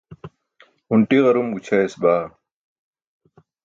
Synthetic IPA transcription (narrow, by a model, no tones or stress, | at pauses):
uɳʈiɣɐɾumɡut͡ɕʰaesbaː